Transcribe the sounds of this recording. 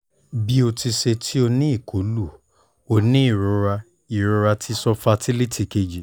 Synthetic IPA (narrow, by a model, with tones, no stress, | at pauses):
bi˦o˧ti˧ʃe˧tʰi˦o˧nĩ˦i˦˨ko˨˦lu˦˨ | o˧nĩ˦i˦˨ɾu˨˧˦ɾa˧ | i˨ɾu˧˦ɾa˧tʰi˦sɔ˧fa˧ti˦li˦ti˧ke˧d͡ʒi˨